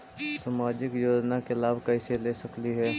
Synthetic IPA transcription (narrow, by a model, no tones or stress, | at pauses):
smaːd͡ʒɪkjoːd͡ʒnakelaːbʱkɐɪselesɐkliɦɛː